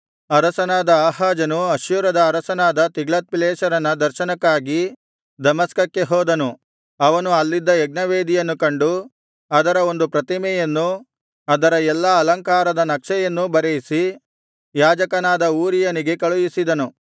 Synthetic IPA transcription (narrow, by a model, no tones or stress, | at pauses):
ɐɾɐsɐnaːd̪ɐaːɦaːd͡ʒɐnuɐʃjuːɾɐd̪ɐːɾɐsɐnaːd̪ɐt̪iɡɭɐt̪̚pileːʃɐɾɐnːɐd̪ɐɾʃɐnɐkːaːɡi | d̪ɐmɐskɐkːe̞ɦɔːd̪ɐnu | ɐʋɐnuɐlːid̪ːɐɛɡ̚nɐʋeːd̪ijɐnːukɐɳɖu | ɐd̪ɐɾɐo̞nd̪upɾɐt̪imɛjɐnːu | ɐd̪ɐɾɐɛlːɐːlɐŋkaːɾɐd̪ɐnɐkʂɛjɐnːubɐɾejisi | jaːd͡ʒɐkɐnaːd̪ɐuːɾijɐniɡe̞kɐɭujisid̪ɐnu